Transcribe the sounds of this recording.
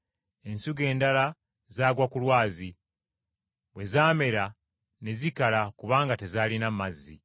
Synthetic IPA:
e̞nsuɡe̞ːndala | zaːɡwakulwaːzi | βwe̞zaːme̞ɾa | ne̞zikalakuβaːŋɡate̞zaːlinamazːḭ

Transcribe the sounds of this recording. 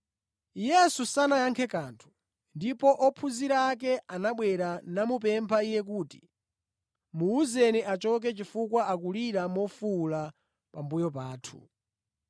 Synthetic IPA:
jɛsusanajaŋkʰɛkaːntʰu̥ | ndipɔʔɔpʰuziɾak̬ɛanaɓwɛɾanamup̬ɛmpʰaijɛk̬uːti̥̰ | muuzɛniʔat͡ʃɔk̬ɛt͡ʃifukwaak̬uliɾamɔfula | pambujɔp̬aːtʰu̥̰

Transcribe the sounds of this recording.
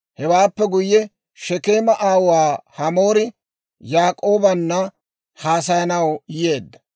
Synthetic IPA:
hɛwaːpːɛɡʊjːɛ | ʃɛkeːmɐʔaːwwaːhɐmo̞ːɾɪ | jaːkʼo̞ːbɐnːɐ | haːsɐjɐnɐwje̞ːd̪ːɐ̥

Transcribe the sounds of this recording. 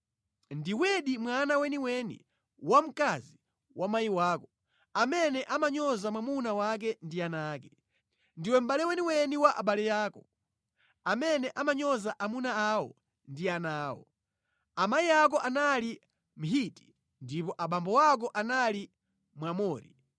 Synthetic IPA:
ndiwɛɗimwanawɛniwɛnḭ | wam̩kazi | wʔamajiwaːkɔ | amɛnɛʔamaɲɔzamwamunawak̬ɛndianaːkɛ | ndiwɛm̩ɓalɛwɛniwɛniwaʔa̰ɓalɛjaːkɔ | amɛnɛʔamaɲɔzaʔamunaawɔ̰ | ndianaːwɔ̰ | amaiak̬ɔʔanali | m̩ɦiti̥ | ndipɔʔaɓambɔwak̬ɔʔanali | mwamɔːɾḭ

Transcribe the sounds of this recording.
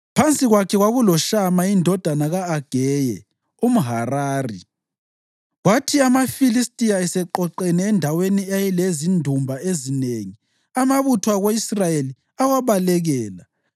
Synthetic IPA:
pʰant͡sʼiɣwakʰɛɣwaɣulɔʃamaindʱɔd̥ʱanaɣaːɡ̥ʱɛjɛ̰ | um̩ɦaraːrḭ | ɣwatʰiamafilistʼijaɛsɛǃɔǃɛnɛːndʱaweniajɛlezindʱumbʱaezineŋi | amaβutʰwaɣoisrajeli | awaβalɛɣɛːla

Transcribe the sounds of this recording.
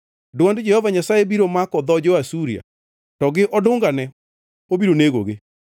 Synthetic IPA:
doanded͡ʒɛhɔvaɲasaebiɾomakɔðɔd͡ʒowasuɾia̰ | tɔɡeʔɔdoːŋɡanɛ | obiɾoneɣoɣe

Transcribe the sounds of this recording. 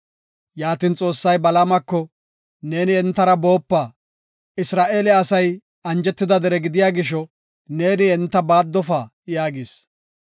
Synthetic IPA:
jaːt̪iːnt͡sʼo̞ːsːɐjbɐlamɐkːɔ | ne̞ːnɪɛnt̪ːɐɾɐbo̞ːpːa | ɪsɾaːʔeːlɛɐsɐj | ɐnd͡ʒɛt̪ːɪd̪ɐd̪ɛɾɛɡɪd̪ɪjaːɡɪʃ̬ɔ | ne̞ːnɪɛnt̪ːɐbaːd̪ːɔfaː | jaːɡɪs

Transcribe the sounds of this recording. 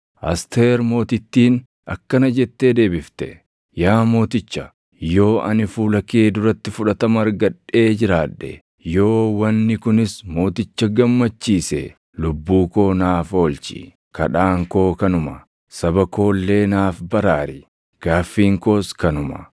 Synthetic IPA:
ʔɐ̰st̪eːɾmo̞ːt̪ɪt̪ːiːn | ɐkːɐnɐd͡ʒɛt̪ːe̞ːd̪e̞ːbɪft̪ɛ̰ | jaːmo̞ːt̪ɪt͡ʃːɐ | jo̞ːʔɐnɪfuːlɐke̞ːd̪ʊɾɐt̪ːɪfʊᶑɐt̪ɐmɐɾɡɐᶑːe̞ːd͡ʒɪɾaːᶑːɛ̰ | jo̞ːwɐnːɪkʊnɪsmo̞ːt̪ɪt͡ʃːɐɡɐmːɐt͡ʃːiːsɛ̰ | lʊbːuːko̞ːnaːfo̞ːlt͡ʃḭ | kɐ̰ᶑaːŋko̞ːkɐnʊmɐ | sɐbɐko̞ːlːe̞ːnaːfbɐɾaːɾɪ | ɡ̥aːfːiːŋko̞ːskɐnʊmɐ̰

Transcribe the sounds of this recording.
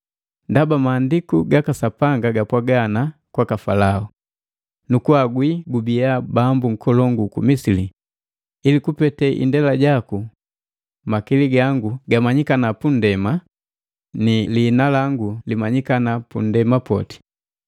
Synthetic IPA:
ndabamaːndikuɡakasapaŋɡaɡapwaɡanakwakafalau | nukuaɡwiɡubiabambuŋ̩kɔlɔŋɡukumisili | ilikupɛtɛʔḭndɛlaɟaku | makiliɡaŋɡuɡamaɲikanapun̩dɛma | niliːnalaŋɡulimaɲikanapṵn̩dɛmapɔ̰ti̥

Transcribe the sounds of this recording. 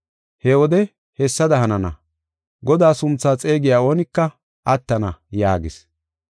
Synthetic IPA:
hɛwɔd̪ɛ | hɛsːɐd̪ɐhɐnɐnɐ̰ | ɡɔd̪aːsʊnt͡sːaːt͡sʼe̞ːɡɪjaːo̞ːnɪkːɐ | ʔɐt̪ːɐnɐjaːɡɪs

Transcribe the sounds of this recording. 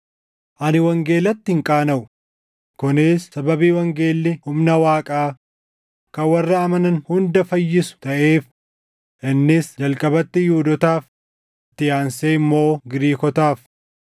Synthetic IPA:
ʔɐnɪwɐŋɡe̞ːlɐt̪ːɪɪŋkʼaːnɐʔʊ | kʊnɪsːɐbɐbiːwɐŋɡeːlːɪhʊmnɐwaːkʼaː | kɐwɐrːɐːmɐnɐnhʊnd̪ɐfɐjːɪsʊ̥t̪ɐʔe̞ːf | ʔɪnːɪsd͡ʒɐlkʼɐbɐt̪ːɪjuːd̪ɔt̪aːf | ɪt̪ːɪjaːnseːɪmːo̞ːɡɪɾiːkɔt̪aːf

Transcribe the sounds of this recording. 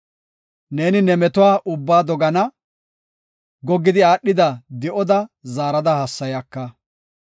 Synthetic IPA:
ne̞ːnɪnɛmɛt̪ʊwaːʔʊbːaːd̪ɔɡɐnɐ | ɡɔɡːɪd̪ɪaːɗːɪd̪ɐd̪ɛʔɔd̪ɐzaːɾɐd̪ɐhɐsːɐjɐkːɐ

